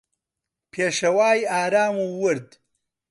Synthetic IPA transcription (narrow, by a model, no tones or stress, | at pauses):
pʰeːʃɐwaːjaːɾaːmuːwʊɾd̪